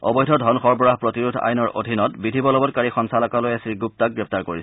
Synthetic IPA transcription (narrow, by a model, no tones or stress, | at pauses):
ɔ̰bɔjdʱɔdʱɔnxɔɹbɔɹaɦpɹotiɹudʱa̰jnɔɹʔo̰dʱinɔtbidʱibɔlɔbɔt̚kaɹixɔnsalɔkalojasiɹɡup̚tak̚ɡɹɛp̚taɹkoɹis